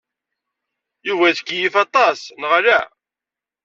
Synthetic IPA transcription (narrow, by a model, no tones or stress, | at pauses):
juvæðəkːjifɑt̪ˤɑsnəʁlæ